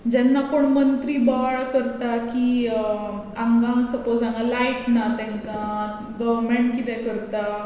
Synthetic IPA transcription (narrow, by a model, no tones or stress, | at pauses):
d͡ʑɛnːakoɳmənt̪ɾiːbaɭkəɾt̪aki | ãŋɡãŋsəpod͡zãŋɡalaiʈnat̪ɛ̃ŋka | ɡəʋmeɳʈkit̪ɛkəɾt̪a